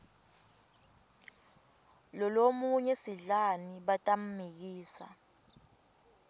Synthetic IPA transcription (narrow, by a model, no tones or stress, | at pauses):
lɔlomuɲɛsiɮaniɓatʼam̩mik̬iːsa̰